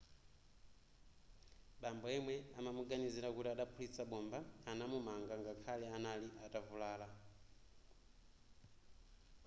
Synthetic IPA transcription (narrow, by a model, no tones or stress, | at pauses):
ɓambɔɛmwɛamamuɡaniziɾakutiaɗapʰulit͡saɓɔmbaanamumaŋɡaŋɡakʰalɛanaliʔatavulaːla